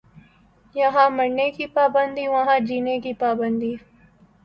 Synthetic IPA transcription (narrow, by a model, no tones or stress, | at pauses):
jɐɦãmɐɽnekipaːbənd̪iʋɐɦãd͡ʒiːnekipaːbənd̪i